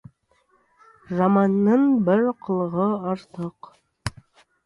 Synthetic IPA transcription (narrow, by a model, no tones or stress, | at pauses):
zɑmɑnːɤɴbɘɾqŏlˠɤ̆ʁɤɑɾt̪ɤq